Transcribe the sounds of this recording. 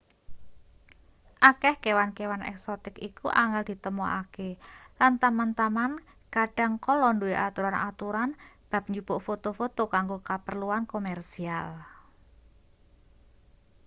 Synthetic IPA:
ʔakɛhkewankewanɛ̰ksɔt̪ɪkikuʔaŋɛld̪̥i̤t̪əmoakelant̪amant̪aman | kaɖ̥a̤ŋkɔlɔndueʔat̪uɾanat̪uɾanb̥a̤p̚ɲd͡ʒub̥ʊʔfot̪ofot̪okaŋɡokapərluankomɛrsial

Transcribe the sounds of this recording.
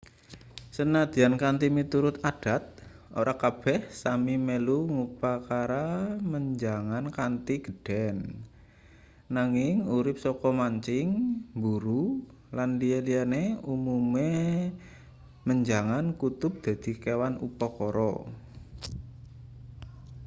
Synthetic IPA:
sənad̪̥i̤ankant̪imit̪uɾʊt̪ad̥a̤t̪̚ | ʔo̰ɾakab̥ɛhsamimeluŋupakaɾaməɲd͡ʒaŋankant̪iɡ̥əd̥ɛn | aŋɪŋuɾɪp̚sɔkɔmaɲt͡ʃɪŋbuɾu | landielianeumume | məɲd͡ʒaŋankut̪ʊp̚d̪̥a̤d̪̥i̤kewanupɔkɔɾɔ̰

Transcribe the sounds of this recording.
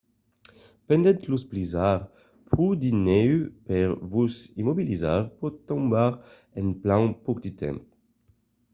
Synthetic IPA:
pɛ̃nd̪ɛ̃nt̪lusplizaʁ | pχud̪inɛypɛʁvusimɔbilizaʁpuʁt̪ɔ̃mbaʁ | ɛ̃nplãwpuʁd̪yt̪ʰɛ̰̃mp

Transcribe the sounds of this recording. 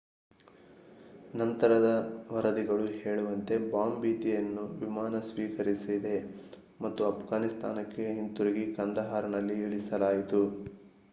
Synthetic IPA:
nɐnt̪ɐɾɐd̪ɐʋɐɾɐd̪iɡɐɭuheːɭuʋɐnt̪e̞baːmbiːt̪ijɐnːuʋimaːnɐsʋiːkɐɾisid̪e̞ | mɐt̪ːuɐpʰɡaːnist̪ʰa̰ːnɐkːe̞ɦint̪uɾiɡikɐnd̪ɐɦaːɾɐnɐlːiiɭisɐlaːjit̪u

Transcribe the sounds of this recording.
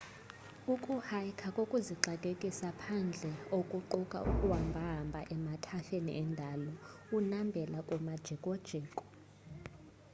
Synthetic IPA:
ukʼuhajkʰakʼokʼuziǃakʼekʼisapʰand͡ɮʱɛokʼuǃukʼa̰ʔukʼuwambʱaɦmbʱa̰ʔɛmatʰaɬenḭʔɛndʱalɔ | unambʱɛlakʼumad̥ʒ̥ʱɛkʼɔd̥ʒ̥ʱeːkʼɔ̥

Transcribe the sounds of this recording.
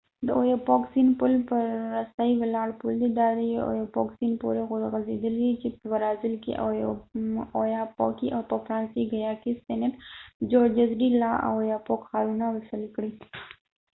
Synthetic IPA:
d̪əojopoksinpʊlpəːast̪aiwɪlɑːɽpʊld̪ed̪ɑɾio̰jopoksinpo̰ɾeɣʊɾɣazḛd̪əlid̪it͡ʃepəwaɾɑzɪlkḭʔ | ojapo̰kiʔawpəfɾɑːnsiɡajɑkisenəʈd͡ʒoɾd͡ʒazɾilɑʔa̰wojapokxaɾunawɪsəlkɽi

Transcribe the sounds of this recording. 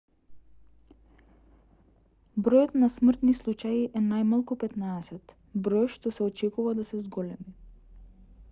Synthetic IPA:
bɾɔjɔt̪nasmr̩t̪nislˠut͡ʃajiʔɛnajmalˠkupɛt̪naɛsɛt̪ | bɾɔjʃt̪ɔsɛɔt͡ʃɛkuvad̪asɛzɡɔlɛmi

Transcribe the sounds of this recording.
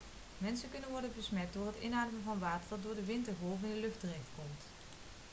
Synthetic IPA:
mɛnsəkɵnənʋɔɹdənbəsmɛt̚dʊːɹɦətɪ̰naːdəmənvɑnʋaːtəɹdɑt̚dʊːɹdəʋɪntəɹvɔlˠvɪndəlɵχtərɛχtkɔmt

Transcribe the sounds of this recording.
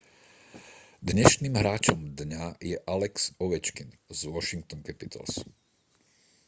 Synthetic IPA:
d̪ɲɛʃniːmɦɾaːt͡ʃɔmd̪ɲajɛʔalɛksɔʋɛt͡ʃkinzʋɔʃiŋk̚t̪ɔnkɛpit̪ʰa̰ls

